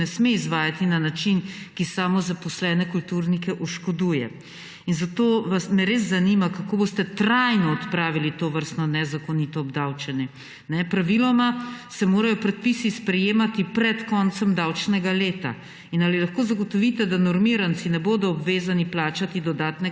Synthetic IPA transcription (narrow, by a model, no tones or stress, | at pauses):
ɛsmeizʋaːjat̪inanat͡ʃinkisaːmɔzapɔslɛːnɛkult̪uɾnikɛʔuʃkɔd̪uːjɛ̰ | inzat̪oʋasmɛɾeːz̬ːanimakakoːbost̪ɛt̪ɾajnɔːt̪pɾaːʋilit̪oʋəɾst̪nɔnɛzakɔnit̪ɔːbd̪awt͡ʃɛnɛ | nɛpɾaʋilɔmasɛmoːɾajɔpɾɛt̪̚pisispɾɛjeːmat̪ipɾɛt̪kɔnt̪sɛmd̪awt͡ʃnɛɡaleːt̪a̰ | inalilaxkoːzaɡɔt̪ɔʋit̪ɛd̪anɔɾmiːɾant̪sinɛboːd̪ɔːbʋeːzaniplaːt͡ʃat̪id̪ɔd̪aːt̪nɛ